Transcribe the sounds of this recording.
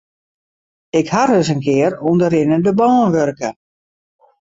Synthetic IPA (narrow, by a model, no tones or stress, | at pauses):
ɪkharøsənkɪərundəɾɪnədəbɔːənʋørkə